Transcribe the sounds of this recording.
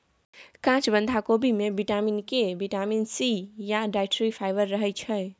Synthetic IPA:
kãt͡ʃbə̃nd̪ʱakobimebiʈaminkebʱiʈaminsijaɖajʈɾipʰajbəɾːəɦəjt͡ʃʰʌj

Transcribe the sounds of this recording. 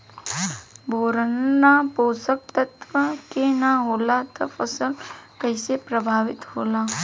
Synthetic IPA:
bʱoːɾənːapoːsək̚t̪ət̪ʋəkenaɦoːlat̪ɐfəsəlkəɪsepɾəbʱaːʋɪt̪ɦoːlaː

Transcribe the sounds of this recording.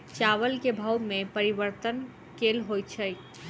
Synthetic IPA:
t͡ʃaʋəlkebʱəwmepəɾiʋəɾt̪ən | kelɦoj̪t͡ʃʰə

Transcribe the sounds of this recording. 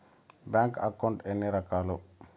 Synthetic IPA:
baːŋkɐ̰kɐwɳʈenːiɾɐkaːlu

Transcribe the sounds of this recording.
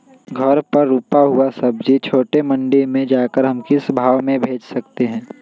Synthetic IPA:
ɡʱɐɾpɐɾːuːpaɦuasɐbd͡ʒʱit͡ʃʰoːʈemɐ̃ɳɖimẽd͡ʒaːkəɾɦɐmkɪsbʱaːʋmẽbʱeːd͡ʒsɐkt̪eɦɛ̃ː

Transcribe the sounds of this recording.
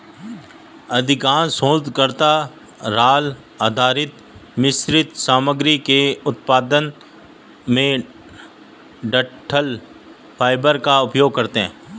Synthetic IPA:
ɐd̪ʱɪkaːnsõːd̪kəɾt̪a | ɾaːl | aːd̪ʱaːɾɪt̪ | mɪsɾɪt̪saːməɡɾikeʊt̪paːd̪ən | mẽ | ɖəʈʰəl | pʰaːɪbəɾkaʊpjoːɡ̚kɐɾt̪eɦɛ̰̃ː

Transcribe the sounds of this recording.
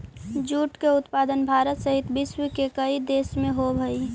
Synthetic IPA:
d͡ʒuːʈkeʊt̪paːd̪ənbʱaːɾət̪səɦit̪bɪswikekəid̪eːsmẽɦobʱəi

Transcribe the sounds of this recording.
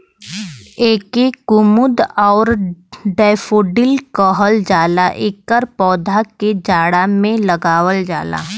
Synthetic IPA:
eːkekʊmʊd̪ɔːɾɖɛːfoːɖɪlkəɦəld͡ʒaːlaʔekːəɾpɔːd̪ʱaked͡ʒaːɽamẽləɡaːwəld͡ʒaːla̰

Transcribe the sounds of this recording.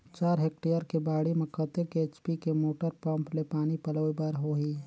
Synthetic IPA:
t͡ʃaːɾɦek̚ʈejəɾkebaːɽimẽkət̪ekeːt͡ʃpikemoːʈəɾpə̃mplepaːnipələibəɾɦoɦiː

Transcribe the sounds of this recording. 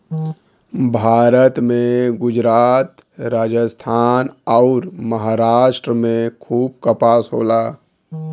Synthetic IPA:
bʱaːɾət̪mẽɡʊd͡ʒɾaːt̪ | ɾaːd͡ʒəst̪ʰaːnɔʊɾməɦaːɾaːʃʈɾəmẽkʰuːb̚kəpaːsɦo̰ːlaː

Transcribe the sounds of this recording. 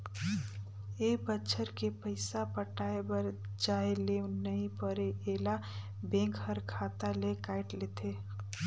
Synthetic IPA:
ebətːʃʰəɾkepəɪsapəʈaːebəɾ | d͡ʒaːelenəɦĩpəɾeʔeːla | bẽːŋkhəɾkʰaːt̪alekaːɪʈleːt̪ʰeː

